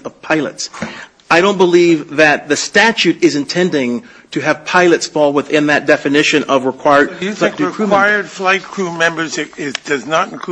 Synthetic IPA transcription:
ʌv̥pʰaɪlˠə̰ts | aɪɾõʊ̃nb̥əlivðɨt̪̚ðɨstæt͡ʃʉɾɨzɨ̃ntʰɛ̃ndɪ̃ŋ | tʰɨːv̥pʰaɪlˠɨtsfɔlˠwəθɪ̃nðɨt̚d̥ɛfɨnɪʃɨ̃nʔʌvɹəkʰw̥aɪə˞dflaɪkʰɹ̥waɪə˞d̥flaɪt̚kʰɹ̥umɛ̃mbə˞zɪɪd̥ʌznəɾ̃n̩kʰ

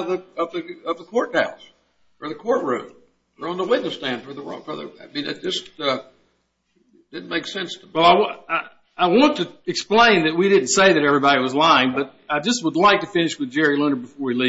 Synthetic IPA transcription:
ðɨʌvðɨʌvðəkʰɔɹt̚d̥aʊs | ə˞ðɨkʰɔɹt̚ɹʉ̰̃m | ə˞ɨ̃nðəwɪtⁿnɨstæ̃nfə˞ðəwɜ̰˞l̚ˠfʰʌðə̰˞amĩnɨt̚d̥ʒ̥ʌstʌ | d̥ɪdⁿn̩meɪksɛ̃nswɛlˠaɪwaɪ | aɪwɑ̃ntʰɨɨksplẽɪ̃nðɨt̚wiɾɪdⁿn̩tseɪðɨɾɛvɹibɑɾiwʌzlaɪɪ̃ŋbʌɾ | aɪd͡ʒʌst̚wədˡlaɪk̚tɨfɪ̃nɨʃwɨðd͡ʒɛɹilɪ̃nə˞bɨfɔɹwili

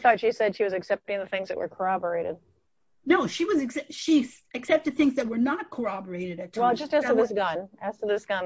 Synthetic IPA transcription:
θɔtʃisɛd̥ʃiwʌzɨksɛp̚tɪ̃ŋðɨθɪ̃ŋzðɨtʔwə̰˞kʰə˞ɑbə˞eɪɾɨ̰d̥̚ | noʊʃiwʌzɨksɛʃisɨksɛp̚tɨd̪̚θɪ̃ŋzðɨt̚wə˞nət̚kʰə˞ɑbə˞eɪɾɨɾɨt̚ʰwɛlˠd͡ʒʌstæstəðɪsɡ̥ʌ̃næstɨðɪsɡ̥ʌ̃n

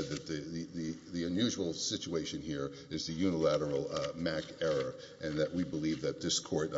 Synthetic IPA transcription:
d̪̚ðɨt̪̚ðɨðɨðɨðiɨ̃njʉʒwl̩ˠsɪt͡ʃueɪʃɨ̃nhiɹ | ɨzðɨjʉnəlæɾə˞l̩ˠmækɛɹə˞ | ʔɨ̃nðɨʔ̚wibəlivðɨt̪̚ðɪskʰɔɹɾ

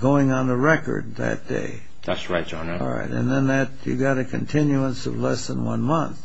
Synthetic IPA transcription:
ɡoʊɪ̃ŋə̃nəɹɛkə̰˞d̪̚ðɨ̰t̚d̥ḛɪ | ðætsɹaɪt̚d̥ʒ̥ɑ̃nˠɹa̰ɪɾɨ̰̃nðɨ̃nðɨtjɨ̰ɡɑɾɨkʰɨ̃n̩tʰɪ̃njuə̃nsʌ̰vlɛsðə̃nwʌ̰̃nmʌ̃nθ

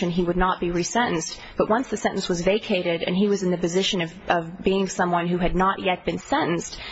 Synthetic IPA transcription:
ɨ̃niwɨdⁿnət̚b̥iɹisɛ̃nʔn̩st | b̥ʌʔ̚wʔʌ̃nsðɨsɛ̃ʔn̩swʌzveɪkʰeɪɾɪɾɨ̰̃niwʌzɨ̃n̩ðɨpɨzɪʃɨ̃nʌvʔʌvbiɪ̃ŋsʌ̃mwʌ̃nhʉɨdⁿnəʔjɛt̚b̥ɨ̃nsɛ̃ʔn̩st

